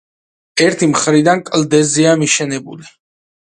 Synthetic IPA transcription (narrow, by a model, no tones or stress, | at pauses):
ɛɾt̪ʰimχɾid̪ankʼld̪ɛziamiʃɛnɛbuli